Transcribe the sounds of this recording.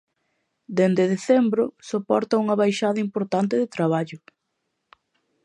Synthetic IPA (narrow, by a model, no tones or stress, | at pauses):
d̪end̪eðeθɛmbɾʊsopɔɾt̪ɐuŋɐβajʃaðɐimpoɾt̪ant̪ɪðet̪ɾaβ̞aʎʊ